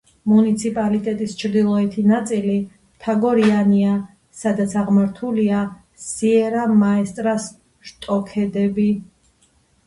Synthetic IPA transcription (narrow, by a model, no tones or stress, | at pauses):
munit̪sʰipʼalit̪ʼɛt̪ʼist͡ʃʰɾd̪ilˠɔɛt̪ʰinat̪sʼili | t̪ʰaɡɔɾiania | sad̪at̪sʰaʁmaɾt̪ʰulia | siɛɾamaɛst̪ʼɾas | ʃt̪ʼɔkʰɛd̪ɛbi